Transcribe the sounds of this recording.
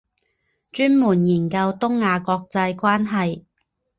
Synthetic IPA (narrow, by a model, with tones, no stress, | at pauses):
t͡ʃyː˥nmuː˨˩njiː˨˩nkɐ˧wt̪ʊ˥ŋːaː˨˧kɔː˧k̚t͡sɐ˧jkʷaː˥nɦɐ˨j